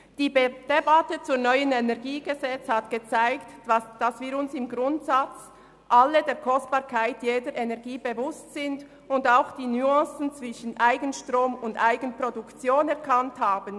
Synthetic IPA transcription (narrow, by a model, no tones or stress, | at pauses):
d̥iːd̥ebatət͡suːɐnɔʏənɛnɛʁɡiːɡəzɛt͡shatɡ̥ət͡saɪktd̥asviːɾʊnsɪmɡʁʊntsat͡s | ʔalːədeːkʰɔsb̥ɑːɾkʰaɪtjeːdəɾʔenɛɐɡiːbevʊstsɪnd | ʊndaʊxd̥iːnyɑ̃sn̩t͡sv̥ɪʃənʔaɪɡənʃtʁoːmʊndaɪɡənpɾodukt͡sjoːnɛʁkʰanthaːbən